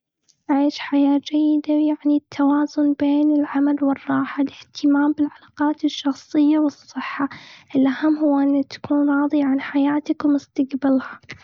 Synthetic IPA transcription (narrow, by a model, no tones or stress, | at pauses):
ʕaːʃħajaːd͡ʒajːɪd̪ajaʕnit̪ʰːawaːzʊnbeːnɪlʕamalwɨrˤːɑːħalɪht̪ʰɪmaːmbɪlʕalaːqɑːt̪ɪʃːɑxsˤɨjːawɨsˤːɨħːaʔɪlʔahamːhʊwːʔɪnːt̪ḁkuːnɾˤɑːðˤiʕanħajaːt̪akwmʊst̪aqbalha